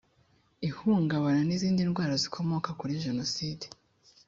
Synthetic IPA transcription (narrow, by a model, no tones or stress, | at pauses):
ihuːŋɡaβananiziːndinɡwaːɾazikʰo̞mo̞kakuɾiʒe̞no̞side